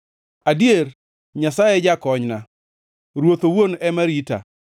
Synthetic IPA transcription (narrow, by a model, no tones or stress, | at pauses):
adjer | ɲasajɛd͡ʒakɔɲna | ɾwot̪owonɛmaɾita̰